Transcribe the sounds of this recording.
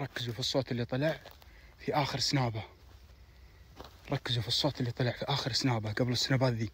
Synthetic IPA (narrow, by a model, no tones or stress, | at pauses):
ɾˤɑkːɪzufisˤːoːt̪ɪlːit̪ˤɑlaʕfiʔaːxɪɾsnaːba | ɾˤɑkːɪzufisˤːoːt̪ɪlːit̪ˤɑlaʕfiʔaːxɪɾsnaːbaɡablɪsːanaːbaːt̪ðiː